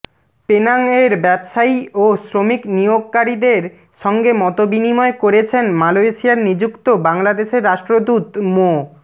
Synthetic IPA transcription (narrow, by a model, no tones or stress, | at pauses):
penaŋeɾbɛbʃaiosɾomiknijoɡkaɾid̪eɾ | ʃɔŋɡemɔt̪obinimɔekoɾet͡ɕʰenmalojʃiaɾnid͡ʑukt̪obaŋlad̪eʃeɾːaʃʈɾod̪ut̪mo